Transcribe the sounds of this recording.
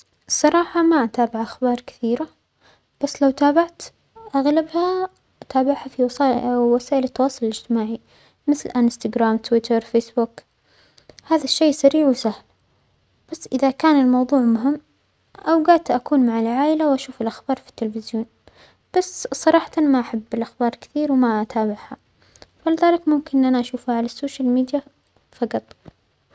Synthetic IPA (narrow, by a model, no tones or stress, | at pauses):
sˤɑɾˤɑːħɑmaʔat̪aːbɪʕʔaxbɑːɾˤkɪ̥θiːɾa | b̥asːlawt̪aːbaʕt̪ | ʔaɣlabha | t̪aːbaʕhafiwwasaːʔɪlɪt̪ːɑwɑːsˤʊlɪlɪd͡ʒt̪ɪmaːʕi | mɪθlʔanst̪aɡɾaːmt̪wɪt̪ʰɑɾˤfeːsbʊk | haːðaʃːejːsaɾiːʕwɪsahl | b̥asːʔɪðakaːnɪlmɑwðˤuːʕmʊɦɪmː | ʔawɡaʕd̪̚t̪ʔakuːnmaʕalʕaːʔɪlawʔaʃuːfɪlʔaxbɑːɾˤfi̥t̪ːɪlfɪzjoːn | b̥asːsˤɑɾˤɑːħɑ̥t̪anmaʔaħabːɪlʔaxbɑːɾˤkɪ̥θiːɾwmaʔat̪aːbɪʕha | falɪðaːlɪkmʊmkɪnʔanaʔaʃuːfhaʕalasːoːʃalmiːd̪ja | fɑqɑt̪ˤ